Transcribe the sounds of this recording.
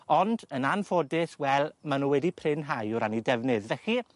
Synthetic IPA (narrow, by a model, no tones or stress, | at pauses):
ɔndənanfodɪθwɛlˠmanuːwɛdipʰrɪnɦajʊɾanidɛvnɨðvɛχi